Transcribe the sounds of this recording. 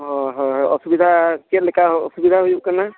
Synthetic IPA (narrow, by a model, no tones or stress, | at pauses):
ɦɔɦɔsubid̪ʱakelekaɦɔ̰subid̪ʱaɦujukana